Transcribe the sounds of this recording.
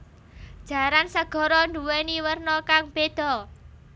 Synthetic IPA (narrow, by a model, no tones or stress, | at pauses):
d̥ʒ̥a̤ɾansəɡ̥ɔ̤ɾɔnduweniwərnɔkaŋb̥ed̪̥ɔ